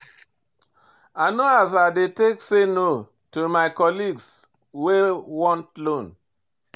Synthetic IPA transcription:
anoazadetekseno | tuomaɪkɔliɡs | wewɔ̃ntlõn

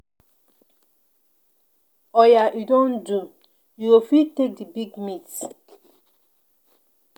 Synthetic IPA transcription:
ɔjajudɔ̃ndu | juifitek̚dibiɡmits

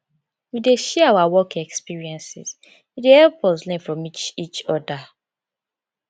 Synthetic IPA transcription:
wideʃɛawawɔkɛkspiɹiɛ̃nsɪ̰z | widehɛlpɔslɛ̃nfɹɔ̃mit͡ʃit͡ʃɔda

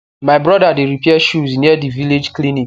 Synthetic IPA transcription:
maɪbɾɔdadeɾipiɛʃuzniɛdiviled͡ʒklinik

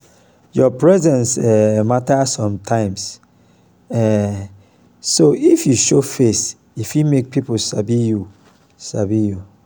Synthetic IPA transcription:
jɔpɹɛzɛ̃nsɛmatasɔ̃mtʰãɪ̃ms | ɛ | soifjuʃofes | ifimek̚pʰiposabiju | sabiju

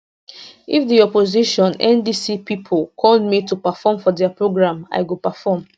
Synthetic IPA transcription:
ifdiɔpoziʃɔ̃nɛ̃ndisipipʰolkʰɔld̚mitupafɔmfɔdɛəpɹoɡɹãma̰ɪɡupafɔm

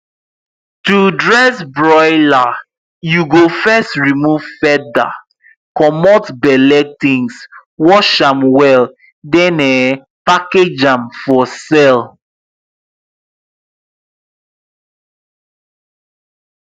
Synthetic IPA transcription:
tudɹɛsbɹɔɪla | juɡofɛstɹimuv̥fɛda̰ | kɔmɔtbɛlɛk̚tĩŋswɔʃãmwɛl | dɛ̃nɛ | paked͡ʒãmfɔsɛl

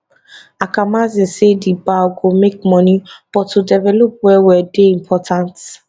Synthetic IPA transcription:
akamazĩsedibaɡomek̚mɔnib̥ɔtːudɛvɛlop̚wɛwɛdeĩmpʰɔtʰãnt

